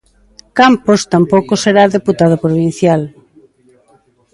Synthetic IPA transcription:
kampost̪ampowkoseɾaðeput̪að̞opɾoβin̟θjal

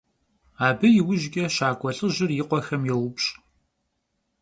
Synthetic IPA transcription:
aːbɨjɪwʊʒɡʲʼɐʃaːkʷʼɔɬʼɨʒɪrjɪqʷɔxɐmjɛwʊpɕ

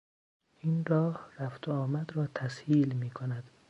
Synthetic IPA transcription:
iːnrɒːhræft̪ʰoɒːmæd̪ɾɒːt̪ʰæshiːlmiːkʰonæd̪̥

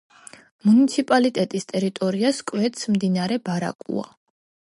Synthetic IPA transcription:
munit̪sʰipʼalit̪ʼɛt̪ʼist̪ʼɛɾit̪ʼɔɾiaskʼwɛt̪ʰsmd̪inaɾɛbaɾa̰kʼṵa̰

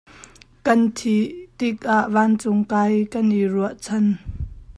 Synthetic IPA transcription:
kɐnt̪ʰiʔt̪ɪk̚ʔaʔvaːnt͡sʊŋkaːjkɐnʔiruəʔt͡sʰɐn

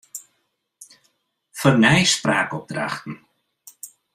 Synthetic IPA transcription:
fərnɛjspɾaːkɔp̚d̪ɾa̰xtn̩

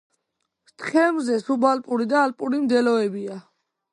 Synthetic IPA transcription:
t̪ʰχɛmzɛsubalpʼuɾid̪aːlpʼuɾimd̪ɛlɔɛbia

